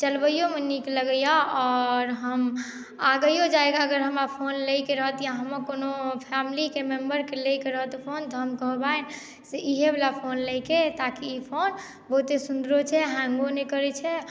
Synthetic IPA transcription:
t͡ʃəlbəjomenikeləɡəjaɔːɾɦəm | aɡəjod͡ʒaeɡaəɡəɾɦəmapʰonləjkeɾəɦət̪jãɦəmːəkonopʰamlikemembəɾkelejkeɾəɦət̪opʰont̪ɦəmkəɦbaen | seʔiɦebelapʰonləjket̪akiːpʰon | bəɦut̪esund̪ɾot͡ʃʰɛɦãŋɡonekəɾɛt͡ʃʰɛ

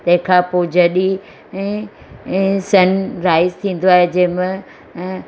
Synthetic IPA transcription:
t̪ɐ̃ɦɪ̃kʰãpoːd͡ʑɐɗi | ɛ̃ː | sɐnɾaːɪzt̪ʰĩːn̆d̪oaːɦed͡ʑɐ̃ɦɪ̃mɪ̃

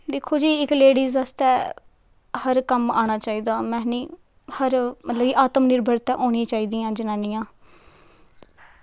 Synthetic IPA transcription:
d̪eːkʰːoːd͡ʒiːɪkleːɽiːzəːst̪ɛː | həɾkəmaːñaːt͡ʃaːiːd̪aːmɛ̃ːnĩː | həɾmət̪ləbiːʔaːt̪əmnɪɾbʱəɾt̪ɛ̰̃ːʔoːɳ̃ĩːt͡ʃaːiːd̪iːjãːd͡ʒɪnãːniːãː

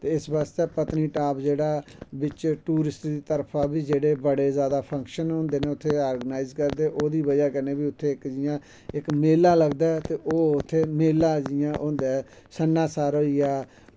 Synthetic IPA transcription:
t̪eːɪsbast̪eːpət̪niːʈaːpd͡ʒeːɽaːbɪt͡ʃʈuːɾɪsʈd̪iːt̪əɾpʰãːbiːd͡ʒeːɽeːbəɽeːzjaːd̪aːpʰəŋkʃənɦõːnd̪eːneːʊt̪ʰːeːaːɾɡənaːɪzkəɾd̪eːʔoːd̪iːbəd͡ʒaːkəneːbiːʊt̪ʰːeːɪkd͡ʒɪjãː | ɪkmeːlːãːləɡd̪aːɛt̪eːʔoːʊt̪ʰːeːmeːlːaːd͡ʒɪjãːʔõːnd̪aːɛ | sənːãːsaːɾoːiaː

